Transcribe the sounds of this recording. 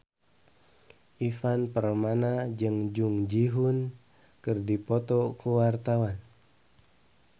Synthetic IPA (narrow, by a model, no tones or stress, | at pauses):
ʔifanpərmanad͡ʒɨŋd͡ʒuŋd͡ʒiɦun | kɨrdipɔt̪ɔkuwart̪awan